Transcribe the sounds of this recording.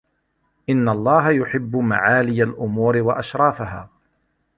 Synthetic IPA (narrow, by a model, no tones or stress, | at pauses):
ʔɪnːalˤːɑːɦajʊħɪbːʊma̰ʕaːlɪjalʔʊmuːɾɪwaʔaʃɾˤɑːfaɦaː